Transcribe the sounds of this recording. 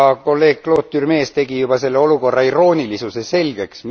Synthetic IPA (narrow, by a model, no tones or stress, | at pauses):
ɑko̞lːe̞ːɡ̥̚klo̞ːt̪ːyrme̞ːst̪e̞ɡ̥ijub̥ɑse̞lːeo̞luko̞rːɑiro̞ːnʲilisuse̞se̞lɡ̥e̞ksm